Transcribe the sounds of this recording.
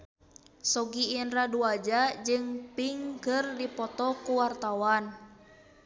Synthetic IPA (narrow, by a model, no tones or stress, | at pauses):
sɔɡiːnraduad͡ʒad͡ʒɨŋpiŋkɨrdipɔt̪ɔkuwart̪awan